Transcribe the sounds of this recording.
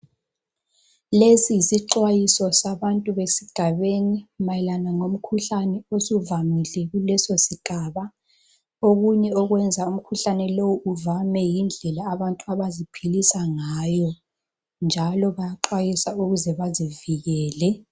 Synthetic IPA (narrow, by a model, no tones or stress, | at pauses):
lesijisiǃwajisɔsaβantʼuβesiɡ̥ʱaβenimajɛlanaŋom̩kʰuɬanɛosuvamilɛɣulɛsosiɡ̥ʱaβa | oɣuɲɛɔɣwɛnd͡zʱaum̩kʰuɬanɛlowuuvamɛjind͡ɮʱɛlaːβantʼuaβazipʰilisaŋaːjɔ | nd͡ʒʱalɔβajaǃwajisauɣuzɛβaziviɣɛːlɛ